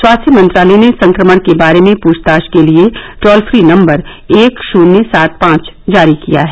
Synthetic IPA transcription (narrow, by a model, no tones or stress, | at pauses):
swaːst̪ʰjəmɐ̃nt̪ɾaːlenesɐ̃ŋkɾəməɽ̃kebaːɾemẽpuːst̪aːʃkelieʈɔːlfʰɾinɐ̃mbəɾ | eːkʃuːnesaːt̪̚pãːt͡ʃ | d͡ʒaːɾikija̰ɦɛː